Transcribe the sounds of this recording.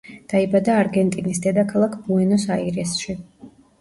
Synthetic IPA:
d̪̥aibad̪aːɾɡɛnt̪ʼinisd̪ɛd̪akʰalˠakʰb̥uɛnɔsaiɾɛsʃi

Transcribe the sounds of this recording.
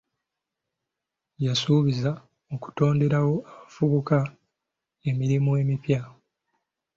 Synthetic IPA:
jasuːβiza | oku̥to̞ːnde̞ɾawo̞aβafuβuka | e̞miɾimue̞ːmipja

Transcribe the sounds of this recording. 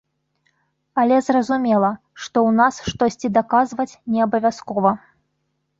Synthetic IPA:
ɐlʲɛzrɐzumʲɛlˠɐ | ʂt̪ɔwnasʂt̪ɔsʲt͡sʲid̪akazvɐt͡sʲnʲɛabɐvʲaskɔvɐ

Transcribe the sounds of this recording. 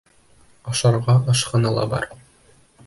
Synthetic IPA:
ɒʃɑɾʁɑʔɒʃqɤ̆nɤlˠɑ̰bɒ̰ɾ

